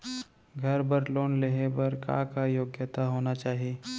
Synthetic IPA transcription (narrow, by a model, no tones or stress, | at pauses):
ɡʱɐɾbɐɾloːnleɦebɐɾkã̰ːkajoːɡjət̪aɦoːnat͡ʃaːɦieː